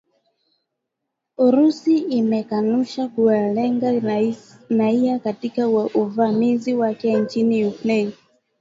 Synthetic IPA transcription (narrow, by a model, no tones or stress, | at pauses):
uɾusiːmɛkanuʃakualɛŋɡa | naiakatikauvamiziwakɛnt͡ʃiniukɾɛni